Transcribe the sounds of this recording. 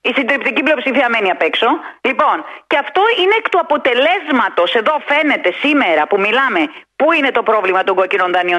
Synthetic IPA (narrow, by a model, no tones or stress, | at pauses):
isind̪ɾip̚t̪iciplio̞psifiɐme̞niɐpe̞kso̞lipo̞nceɐft̪o̞ine̞kt̪uɐpo̞t̪e̞le̞zmɐt̪o̞se̞ðo̞fe̞ne̞t̪e̞sime̞ɾɐpumilɐme̞puine̞t̪o̞pɾo̞vlimɐt̪o̞ŋɡocino̞nðɐnio